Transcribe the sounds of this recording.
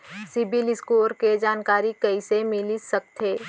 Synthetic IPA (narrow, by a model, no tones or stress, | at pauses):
sɪbɪlɪskuːɾked͡ʒaːnkaːɾikɐisemɪlisɐk̚t̪ʰeː